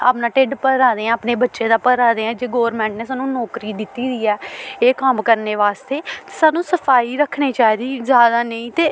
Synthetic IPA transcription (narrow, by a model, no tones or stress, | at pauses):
a̰ːpnãːʈeɖpəɾaːd̪eːãːəpneːbətːʃeːd̪aːpəɾaːd̪eːɛ̃ːd͡ʒeːɡoːʋɾmɛ̃ːɳʈneːsaːnũːnɔːkɾiːd̪ɪt̪ːiːd̪iːɛːeːkəmkəɾneːʋaːst̪eːt̪e̥saːnũːsəpʰaːiːɾəkʰːɽeːt͡ʃaːid̪iːzjaːd̪aːnəĩːt̪eː